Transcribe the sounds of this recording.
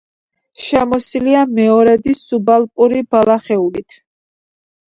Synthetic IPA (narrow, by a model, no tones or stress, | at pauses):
ʃɛmɔsiliamɛɔɾɛd̪isubalˠpʼuɾibalaχɛulit̪ʰ